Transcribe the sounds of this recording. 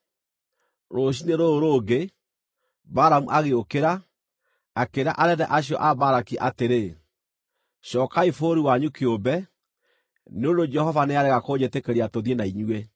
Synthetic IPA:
ɾoɕ̬ineɾooɾoːɡe | baɾamuʔaɣeokeɾa | akeɾa̰ʔaɾɛðɛʔaɕiɔ̰ʔabaɾakiʔateɾe | ɕɔːkaifoːɾiwaɲukeobɛ | neondod͡ʒɛhɔvaneaɾɛɣakoɲetekɛɾiatoðienaiɲue

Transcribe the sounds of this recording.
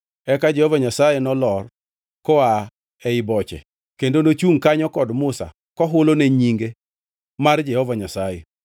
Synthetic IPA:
ɛkad͡ʒɛhɔvaɲasajɛnɔlɔr | kɔa | ɛɪbɔt͡ʃɛ̰ | kendonot͡ʃuŋkaɲɔkɔdmʊsa̰ | kɔɦʊloneɲiŋɡe | mard͡ʒɛhɔvaɲasajɛ

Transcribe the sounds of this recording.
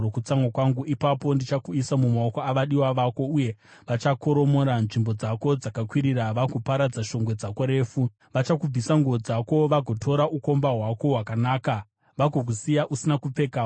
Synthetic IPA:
okut͡saŋwakwaŋɡuʔipapo̞ndit͡ʃakuisamumaokoaʋaɗiwaʋako̞uje̞ʋat͡ʃako̞ɾo̞moːɾanʐimbo̞d͡zako̞d͡zakakwiɾiɾaʋakupaɾad͡zaʃo̞ŋɡwe̞d͡zako̞ɾe̞ːfu | ʋat͡ʃakub͡visaŋɡuʋod͡zako̞ʋaɡʱo̞tʰo̞ɾaʔuko̞mbaɦwako̞ɦwakanaːka | ʋaɡʱok̬usijaʔusinakup͡fe̞ka

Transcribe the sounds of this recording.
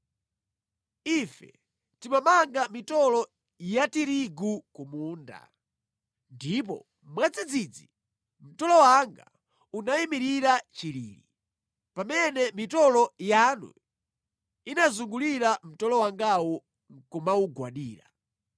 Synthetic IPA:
ifɛ̰ | timamaŋɡamitɔlɔ | jatiɾiɡukumuːnda̰ | ndip̬ɔ̰ | mwad͡zid͡zid͡zi | m̩tɔlɔwaŋɡa̰ | unaimiɾiɾat͡ʃilḭːɾḭ | pamɛnɛmitɔlɔjanṵ | inazuŋɡuliɾam̩tɔlɔwaŋɡawɔ | ŋkumauɡwaɗiːɾa̰

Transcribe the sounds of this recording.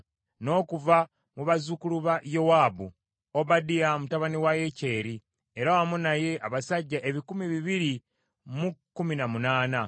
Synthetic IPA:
no̞ːkuva | muβazukuluβajowaːbṵ | obadijamutaβaniwajece̞ːɾi | eɾawamunaje̞ʔaβasaɟːaʔe̞βikumiβiβiɾi | mukːuminamunaːna

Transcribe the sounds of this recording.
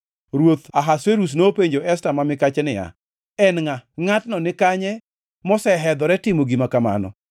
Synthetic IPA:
ɾwot̪aɦasweɾus̬nopeɲd͡ʒoʔɛstamamɪkat͡ʃɛnɪja̰ | ɛnŋaŋatnɔnɪkaɲɛ | mɔsɛɦɛd̪ɔɾɛtɪmoɡimakama̰nɔ̰

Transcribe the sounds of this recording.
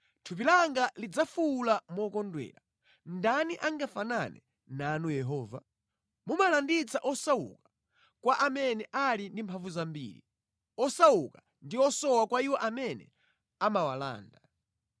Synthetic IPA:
tʰup̬ilaŋɡalid͡zafuːlamɔkɔndwɛ̰ːla | ndaniʔaŋɡafananɛ | nanujɛɦɔːva̰ | mumalandit͡saʔɔsaṵkḁ | kwaʔamɛnɛʔalindimpʰaɱvuzambḭːɾḭ | ɔsauka | ndiɔsɔwakwaiwɔʔamɛnɛ̰ | amawala̰ːnda

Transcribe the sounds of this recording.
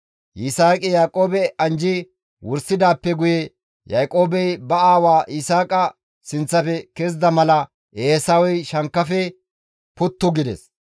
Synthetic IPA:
ʔɪsaːkʼɪjaːkʼoːbɛɐnd͡ʒɪ | wʊɾsɪd̪aːpːɛɡʊjɛ | jaːkʼo̞ːbɛjbɐaːwaːʔɪsaːkʼɐ | sɪnt͡sːɐfɛkɛzd̪ɐmɐlɐ | ʔeːsɐwɔjʃɐŋkːɐfɛ | pʊt̪ːʊɡɪd̪ɛs

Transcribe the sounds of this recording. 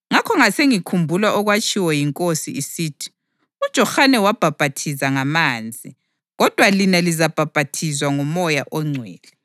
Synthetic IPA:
ŋakʰɔŋaseŋikʰumbʱulaʔɔɣwat͡ʃʼiwɔjiŋkʼosḭisiːtʰi̥ | ud̥ʒ̥ʱɔxanɛwab̥ʱab̥ʱatʰizaŋamaːnd͡zʱi | ɣɔd̥ʱwalinalizab̥ʱab̥ʱatʰizwaŋumɔjaʔɔŋ͡ǀʱwɛːlɛ

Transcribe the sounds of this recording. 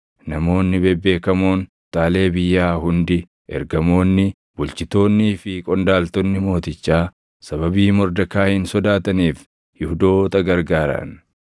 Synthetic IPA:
nɐmo̞ːnːɪbɛbːe̞ːkɐmoːn | t̪aːle̞ːbɪjːaːɦʊnd̪ɪ | ʔɛ̰ɾɡɐmo̞ːnːɪ | bʊlt͡ʃɪt̪o̞ːnːiːfɪkʼɔnd̪aːlt̪ɔnːɪmo̞ːt̪ɪt͡ʃːaː | sɐβɐbiːmɔɾd̪ɐkaːhɪnsɔd̪aːt̪ɐniːf | jɪhʊd̪o̞ːt̪ɐɡɐɾɡaːɾɐ̰n

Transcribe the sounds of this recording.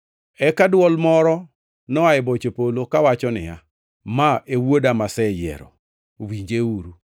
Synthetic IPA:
ɛkadwɔlmɔɾɔ | nɔaɪbɔt͡ʃopolokawat͡ʃɔnɪja̰ | maʔewodamasɛjɛ̰ɾɔ̰ | wiɲd͡ʒeuɾu

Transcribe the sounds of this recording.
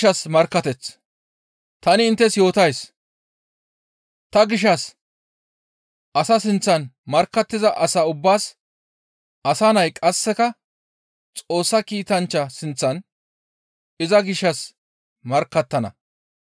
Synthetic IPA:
ɐsmɐɾkːɐt̪ɛt͡s | t̪ɐnɪɪnt̪ːɛsjo̞ːt̪ɐjs | t̪ɐɡɪʃːɐs | ʔɐsɐsɪnt͡sːɐnmɐɾkːɐt̪ːɪzɐʔɐsaʊbːaːs | ʔɐsɐnɐjkʼɐsːɛkɐ | t͡sʼo̞ːsːɐkiːt̪ɐnt͡ʃːɐsɪnt͡sːɐn | ɪzɐɡɪʃːɐs | mɐɾkːɐt̪ːɐnɐ̰

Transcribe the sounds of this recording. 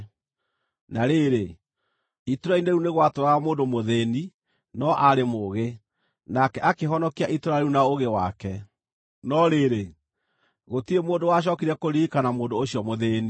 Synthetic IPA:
naɾeɾe | ituɾaineɾuneɣwatoɾamoːndomoðeːni | nɔʔaɾemoɣe | nakɛʔakeɦɔnɔkiaʔitoɾaiɾunaoɣewakɛ | nɔɾeɾe | ɣotiemoːndowaɕ̬ɔkiɾɛkoɾikanamoːndoːɕiɔmoðeːni

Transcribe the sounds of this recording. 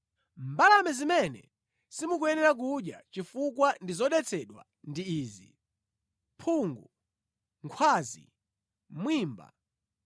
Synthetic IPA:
mbalamɛzimɛnɛ̰ | simuk̬ujɛnɛɾak̬uɗjat͡ʃifuk̬wandizɔɗɛt͡sʰɛɗwa̰ | ndiiːzi | pʰuŋɡu | ŋkʰwaːzḭ | mwiːmba̰

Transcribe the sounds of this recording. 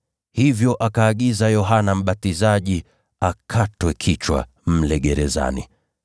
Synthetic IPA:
hivjɔʔakaːɠizajɔɦanam̩ɓatizaʄi | akʰatwɛkʰit͡ʃwa̰ | m̩lɛɠɛɾɛza̰nḭ

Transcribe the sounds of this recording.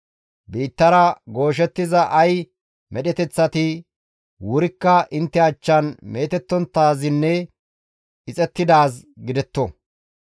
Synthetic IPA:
biːt̪ːɐɾɐɡo̞ːʃ̬ɛt̪ːɪzɐʔɐj | mʔɛɗɛt̪ɛt͡sːɐt̪ɪ | wʊɾɪkːɐʔɪnt̪ːɛɐt͡ʃːɐnme̞ːt̪ɛt̪ːɔnt̪ːaːzɪnːɛ | ɪt͡sʼɛt̪ːɪd̪aːsɡɪd̪ɛt̪ːɔ

